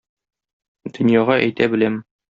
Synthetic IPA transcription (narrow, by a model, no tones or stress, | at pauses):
d̪̥ɵ̆njɑʁɑʔæjt̪æbɘ̆læm